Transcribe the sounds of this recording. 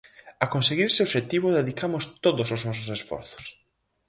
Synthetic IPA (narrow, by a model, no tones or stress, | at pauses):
akonseɣiɾseoβʃet̪iβʊðeðikamʊst̪oðʊsoznɔsʊsesfɔ̰ɾθʊ̥s